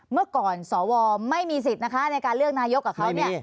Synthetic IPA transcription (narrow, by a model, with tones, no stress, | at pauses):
mɯ˥˩kɔː˨˩nsɔː˩˦wɔː˧ma˥˩jmiː˧s̬i˨˩t̪̚na˦˥kʰa˦˥na˧jkaː˧nlɯ˥˩ək̚naː˧jo˦˥kːaː˨˩kʰwni˥˩